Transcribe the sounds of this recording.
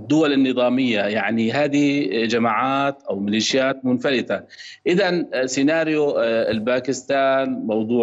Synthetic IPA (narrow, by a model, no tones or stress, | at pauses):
d̪ːʊwalɪnːɨðˤɑːmɪjːajaʕniɦaːd̪id͡ʒamaːʕaːt̪ʔawmɪliːʃjaːt̪̚mʊnfalɪt̪aʔɪðansɪnaːɾjʊlbaːkɪst̪aːnmɑwd̪ˤuː